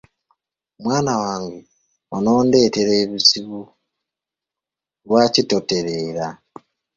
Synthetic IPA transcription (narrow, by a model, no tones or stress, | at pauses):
mwaːnawaːŋɡe | onoːnde̞ːte̞ɾe̞ːβiziβu | lwaːcitote̞ɾeːɾa